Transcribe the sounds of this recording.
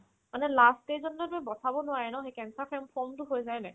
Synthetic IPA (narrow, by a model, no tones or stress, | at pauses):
manɛlastezɔnːɔtʊɛbɔtʰabɔnʊwaɹɛnɔxekɛnsapʰɛmpʰɔmtʊɦojzajnɛ